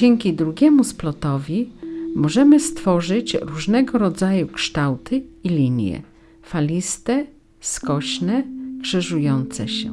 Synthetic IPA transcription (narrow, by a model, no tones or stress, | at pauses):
ɛŋkʲid̪ɾuɡʲɛmusplɔt̪ɔvʲimɔʐɛmɘst̪fɔʐɘt͡ɕɾuʐnɛɡɔɾɔd̪zajukʂt̪awt̪ʰɘilʲiɲjɛ̰ | falʲist̪ɛ | skɔɕnɛɡʂɛʐujɔnt̪sɛɕɛ̰